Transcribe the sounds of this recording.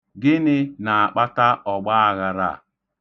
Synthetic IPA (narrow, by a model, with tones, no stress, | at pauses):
ɡɪ˦nɪ˦na˨a˨k͡pa˦ta˦ʔɔ˨ɡ͡ba˦a˨ɣa˨ɾa̰˦˨